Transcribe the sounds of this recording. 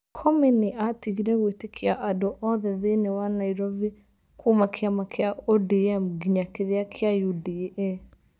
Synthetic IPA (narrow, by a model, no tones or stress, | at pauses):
kʰɔminiʔatiɣiɾɛɣwetekʰiaʔadɔʔɔðɛðenewanaiɾɔvi | kumakʰeamakeaodiɛmɡiɲakeðeakʰeajudiɛ